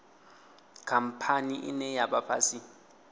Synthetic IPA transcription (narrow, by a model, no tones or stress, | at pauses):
kʰam̩pʰaniʔḭnɛjaɓapʰa̰si